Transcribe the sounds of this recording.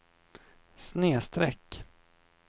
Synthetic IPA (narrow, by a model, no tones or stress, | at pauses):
sneːst̪ɾɛkː